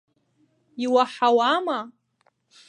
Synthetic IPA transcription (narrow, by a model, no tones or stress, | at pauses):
iwaħawama